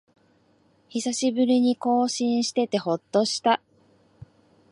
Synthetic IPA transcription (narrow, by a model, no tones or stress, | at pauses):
çisaɕibɯ̟ɾʲiɲ̟iko̞ːɕĩɰ̃ɕi̥t̪e̞t̪e̞ho̞t̪ːo̞ɕi̥t̪a